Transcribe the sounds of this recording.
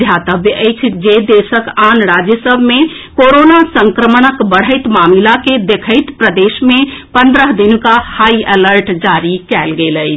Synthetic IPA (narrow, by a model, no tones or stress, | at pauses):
d̪ʱjat̪əbʱjəʔəɪt͡ʃʰd͡ʒed̪esəkanɾad͡ʒjəsəbʱme | koɾonasəŋkɾəmənəkbəɽ̤əɪt̪mamilaked̪ekʰəɪt̪pɾəd̪esmepənd̪ɾəɦd̪inkahaieləɾʈd͡ʒaɾikɛlɡeləɪt͡ʃʰ